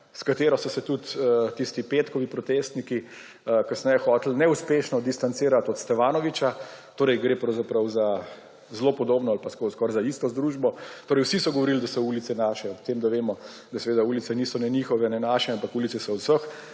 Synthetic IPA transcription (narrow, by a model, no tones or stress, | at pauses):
skat̪eːɾɔsɔsɛt̪ut̪ət̪ist̪ipeːt̪kɔʋipɾɔt̪est̪niki | əkasnɛjɛxɔːt̪l̩nɛuspeʃnɔd̪ist̪ant̪siːɾat̪ɔt̪st̪ɛfaːnɔʋit͡ʃat̪oːɾɛjɡɾeːpɾɐwzapɾawza | zloːpɔd̪oːbnɔalpaskoskɔːɾzaist̪ɔzd̪ɾuːʒbɔt̪oːɾəjwsisɔɡɔʋɔɾild̪asɔulit̪sɛnaʃɛɔpt̪emd̪aʋeːmɔ | d̪asɛʋeːd̪auːlit̪sɛniːsɔnɛnixɔʋɛnɛnaʃɛampakuːlit̪sɛsɔɔwsəx